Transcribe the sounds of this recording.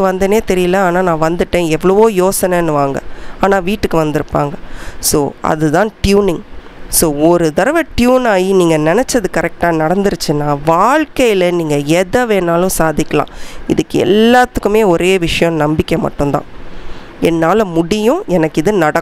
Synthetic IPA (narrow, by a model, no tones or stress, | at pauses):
kːɯʋɐnd̪ɐneːt̪ɛɾɪjɐlɐaːnaːnãːʋɐnd̪ɯʈːẽːɛʋːɐɭɐʋoːjoːsɐnɐnːɯʋaːŋɡɐ̰aːnaːʋiːʈːɯkːɯʋɐnd̪ɪɾɯpːa̰ːŋɡɐsoːɐ̰ðɯðãːʈjuːnɪŋ | soːɔɾɯd̪ɐɾɐʋɐʈjuːnaːjiniːŋɡɐnɛnɛt͡ʃːɐðɯkɐɾɛk̚ʈaːnɐɽɐnd̪ɯɾɯt͡ʃːɯnãːʋaːɭkɐjɪlɐniːŋɡɐɛðɐʋeːnaːlʊ̃saːðɪkːɐlã̰ːɪ̰ðɯkːɯɛ̰lːaːt̪ːɯkːɯmeːɔɾʔeːʋɪʂɐjɔ̃nɐmbɪkʲːɐmɐ̰ʈːɯ̃nt̪ã̰ː | ɛnːaːlmʊɽɪjʊ̃ɛnɐkːɪðɯnɐɽɐkː